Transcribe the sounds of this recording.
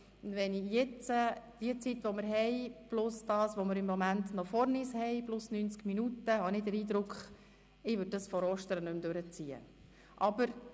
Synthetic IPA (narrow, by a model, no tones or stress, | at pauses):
ʊnʋɛnijɛt͡səd̥iət͡sitʋɔmɪɾɦɛɪb̥lʊsd̥ɑːsʋomɪɾɪmːomænt̪nɔfɔɾnishɛɪblʊsnynt͡skminutəɦɑnɪdəɾiːd̪ɾʊkχ | ɪʋʏd̚dɑsfɔɾɔʃtəɾənʉmd̪øɾət͡siːə̰ | ʔɑbəɾ